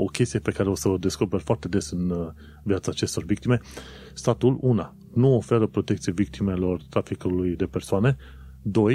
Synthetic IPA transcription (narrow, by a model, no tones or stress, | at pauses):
o̞̰kʲe̞st̪ijepe̞kaɾe̞o̞səd̪e̞sko̞pe̞rfoart̪e̞d̪e̞sɨn | vjat̪saːt͡ʃe̞st̪o̞rvik̚t̪ime̞ | st̪at̪uluna | nuo̞fe̞ɾəpɾo̞t̪ekt̪sievik̚t̪ʰime̞lo̞rt̪ɾafikulujd̪e̞pe̞rsoane̞ | d̪o̞j